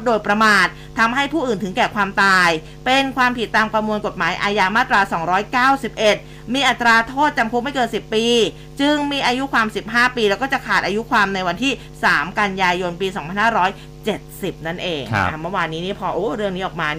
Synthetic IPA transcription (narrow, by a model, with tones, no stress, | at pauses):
doː˧jpɾa˧maː˨˩t̪̚ʰːa˧mɦa˥˩jpʰuː˥˩ʔɯː˨˩nt̪ʰɯ˩˦ŋkɛː˨˩kʰwaː˧mt̪aː˧j | pe˧nkʰwaː˧mpʰi˨˩t̪ːaː˧mkɾa˧mu˧ənko˨˩t̪̚maː˩˦jʔaː˧jaː˧maː˥˩t̪ːɾaː˧sɔː˩˦ŋɾɔː˦˥jkaː˥˩wsi˨˩p̚ʔe˨˩t̪̚ | miː˧ʔa˨˩t̪ːɾaː˧t̪ʰoː˥˩t̪̚t͡ɕa˧mkʰu˦˥p̚ma˥˩jkɤː˧nsi˨˩pːiː˧ | t͡ɕɯ˧ŋmiː˧ʔaː˧ju˦˥kʰwaː˧msi˨˩p̚ɦaː˥˩piː˧lɛː˧˦˥wkɔː˥˩t͡ɕa˨˩kʰaː˨˩t̪̚ʔaː˧ju˦˥kʰwaː˧mna˧jwa˧nt̪ʰiː˥˩ | saː˩˦mka˧njaː˧jo˧npiː˧sɔ˨˩˦ŋpʰa˧nhaː˥˩ɾɔː˦˥j | t͡ɕe˨˩t̪̚si˨˩p̚na˥˩nʔeː˧ŋ̰a˧˩mɤ˥˩waː˧nːiː˦˥niː˦˥˩pʰɔː˧ʔoː˧˥ɾɯ˥˩əŋni˦˥ʔɔː˨˩k̚maː˧n